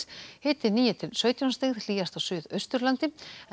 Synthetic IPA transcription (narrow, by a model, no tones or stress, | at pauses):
hɪːt̪ɪniːjɪt̪ʰɪlsœːɥt̪jɔnst̪eɣðl̥iːɣast̪awsʏːðœɥst̪ʏɾlant̪ɪ